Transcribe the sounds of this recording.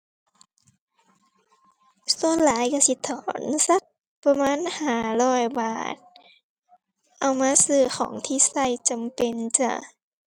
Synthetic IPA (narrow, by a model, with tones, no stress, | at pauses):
su˧ənlaː˨˦jka˧˩si˧˦t̪ʰːɔː˨˦nsa˧˦˥k̚ | pa˧maː˧˥˨nhaː˧˩lɔː˧˩jbaː˨˩t̪̚ | ʔa˧wmaː˧˥˨sɯː˧˩xɔ̰ː˩˦ŋt̪ʰiː˧˨sa˧˩jt͡ɕa˨mpe˧nt͡ɕa̰˧˩